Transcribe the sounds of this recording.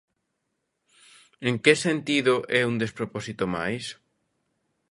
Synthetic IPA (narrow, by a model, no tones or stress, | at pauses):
eŋkesent̪iðoʔɛund̪espɾopɔsit̪oma̰js